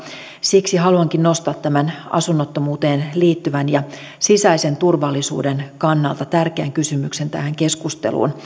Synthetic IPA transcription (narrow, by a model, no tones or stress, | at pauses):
siksiɦɑluɑŋkinno̞st̪ɑːt̪ːæmænɑ̰sunːot̪ːomuːt̪eːnliːt̪ːyʋænjɑ | sisæise̞nt̪urʋɑlːisṵːdenkɑnːɑ̰lt̪ɑt̪ærkeːŋkysymykse̞nt̪æ̰hæŋke̞skust̪ḛlṵːn